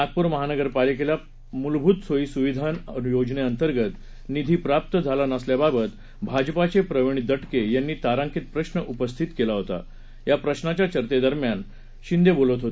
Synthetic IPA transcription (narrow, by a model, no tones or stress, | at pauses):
at̪̚puːɾməɦanəɡəɾpalikela | mulbʱuːt̪soiːsuʋid̪ʱanənjod͡ʑneənt̪əɾɡət̪ | nid̪ʱiːpɾap̚t̪əd͡zʱalanəsljababət̪ | bʱad͡ʑpat͡sepɾəʋeɳ̃id̪əʈkejanːiːt̪aɾãŋkit̪̚pɾəɕnəʔupəst̪ʰit̪kelaɦot̪a̰ | japɾəɕnat͡ɕjat͡ɕəɾt̪ed̪əɾmjan | ɕind̪ebolət̪ɦot̪